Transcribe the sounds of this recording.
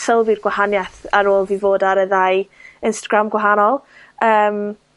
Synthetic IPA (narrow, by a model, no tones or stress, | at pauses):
səlˠvɪrɡwahanjaθaɾoːlˠvivoːdaɾəðajɪnstaɡɾamɡwaɦanɔlˠ | əːm